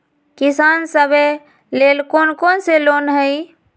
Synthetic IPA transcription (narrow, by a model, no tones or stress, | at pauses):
kisansəbe | lelkonkonselonɦəj